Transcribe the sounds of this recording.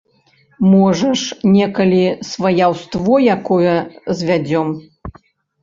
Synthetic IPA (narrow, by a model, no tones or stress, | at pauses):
mɔʐɐʂnʲɛkɐlʲisvɐjawst̪vɔjakɔjɐzʲvʲad͡zʲɔm